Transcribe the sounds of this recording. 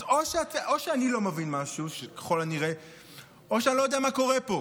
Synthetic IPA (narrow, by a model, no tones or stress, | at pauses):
oʃeat̪ʔoʃeanilo̞mevinmaʃuʃeke̥χo̞laniʁe | oʃeanilojd̪ɛamako̞ʁepo̞